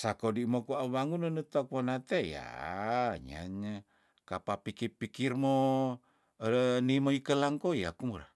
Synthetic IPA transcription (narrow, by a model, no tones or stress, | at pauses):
sakodimokuaβaŋunənət̪ok̚wonat̪eja̰ | ɲa̰ɲa | kapapikipikirmo | nimoikəlaŋkoja̰kumuɾa̰